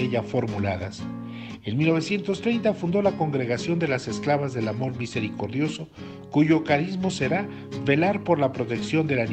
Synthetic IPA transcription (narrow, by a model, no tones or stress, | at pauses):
eʝafo̞ɾmulaðas | e̞nmilnoe̞sje̞nt̪o̞st̪ɾe̞jnt̪afund̪o̞lako̞ŋɡɾe̞ɣasjo̞nd̪e̞lase̞sklaβazðe̞lamo̞ɾmise̞ɾiko̞ɾðjo̞so̞ | kuʝo̞kaɾizmo̞se̞ɾa | βe̞laɾpo̞ɾlapɾo̞t̪e̞ksjo̞nd̪elan